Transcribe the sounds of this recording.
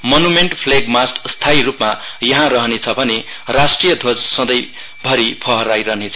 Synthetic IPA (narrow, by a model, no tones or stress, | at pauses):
mʌnumeɳʈpʰleɡmasʈst̪ʰaiɾupmajʌɦãɾʌɦʌnet͡sʰʌbʱʌne | rasʈrijʌd̪ʱod͡zsʌ̃d̪ʌj | bʱʌɾipʰʌɦʌɾajɾʌɦnet͡sʰʌ